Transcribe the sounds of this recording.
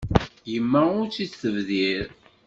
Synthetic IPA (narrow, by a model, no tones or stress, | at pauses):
jəmːæʊɾt͡sːiθəvðiɾ